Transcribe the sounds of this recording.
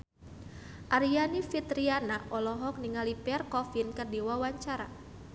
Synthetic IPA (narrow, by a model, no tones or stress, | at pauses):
ʔaɾianifit̪ɾianaʔɔlɔɦɔk̚niŋalipɛrkɔfinkərdiwawaɲt͡ʃaɾa̰